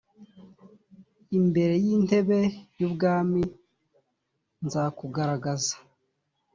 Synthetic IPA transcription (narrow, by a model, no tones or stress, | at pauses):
imbe̞ɾe̞jin̥e̞βe̞jubɡaːmi | nzakuɡaɾaɡazḁ